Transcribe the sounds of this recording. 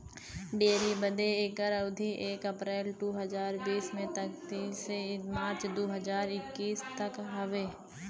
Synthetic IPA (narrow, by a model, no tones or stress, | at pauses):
ɖeːɾibəd̪eeːɡəɾəʊd̪ʱiʔeːkəpɾɛːlʈuːɦəzaːɾbiːsmẽt̪ɐkt̪iːsemaːɾt͡ʃd̪oːɦəd͡ʒaːɾɪkːiːst̪ɐkɦɐʋeː